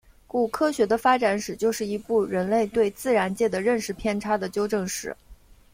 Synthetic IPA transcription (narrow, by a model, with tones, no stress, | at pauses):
ku˥˩kʰɤ˥ɕɥɛ˧˥d̪ə˧fa˥ʈ͡ʂa˧˥nʂɻ̩˨˩t͡ɕjo˥˧ʊʂɻ̩˥˩i˧˥pu˥˩ɻə˧˥nle˥˧ɪt̪we˥˧ɪt͡sɹ̩˥˩ɻa˧˥nt͡ɕjɛ˥˩d̪ə˩ɻə˥˧nʂɻ̩˥˩pʰjɛ˥˧nʈ͡ʂʰa˥d̪ə˨t͡ɕjo˥ʊʈ͡ʂɤ˥˧ŋʂɻ̩˧˩˦